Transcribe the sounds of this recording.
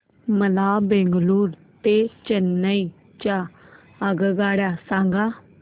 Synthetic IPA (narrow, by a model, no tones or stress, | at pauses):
məlaːbẽːŋɡluːɾ | t̪et͡ʃənːəi | t͡ʃa | əɡɡaːɽjaːsãːŋɡaː